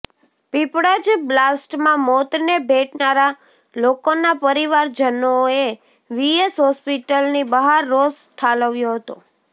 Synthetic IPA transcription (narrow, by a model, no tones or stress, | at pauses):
pipɽad͡ʒblasʈmãmɔt̪nebʱeʈnaɾa | lokonapəɾiʋaɾd͡ʒənoe | ʋiesɦɔspiʈəlnibəɦaɾːosʈʰaləʋjoɦət̪o̰